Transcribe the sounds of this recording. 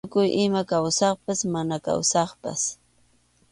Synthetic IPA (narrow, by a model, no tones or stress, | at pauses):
kʊjʔɪmakawsɑχpasmanaka̰wsɑχpa̰s